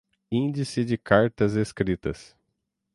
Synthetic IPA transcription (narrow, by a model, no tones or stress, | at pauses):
ĩnd͡ʒisɪd͡ʒɪkaɾt̪ɐzeskɾit̪ɐs